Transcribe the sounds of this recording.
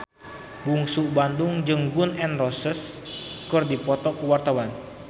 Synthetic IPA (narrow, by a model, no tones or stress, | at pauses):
buŋsubandʊŋd͡ʒɨŋɡʊnɛnrɔsəs | kɨrdipɔt̪ɔkuwart̪awan